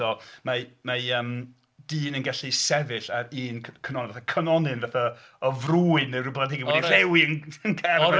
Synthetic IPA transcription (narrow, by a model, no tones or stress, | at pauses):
ɔmamaəːm | d̥iːnənɡaɬisɛvɪɬaiːnkʰkʰənɔnɪnvaθakʰənɔnɨnvaθa | ɔvruːɨneɾrɪblˠadɪɡiwɛdiɛwiənənkʰɛ